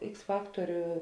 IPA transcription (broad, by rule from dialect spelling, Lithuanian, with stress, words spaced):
ˈɪks ˈfɑːktoːrʲʊ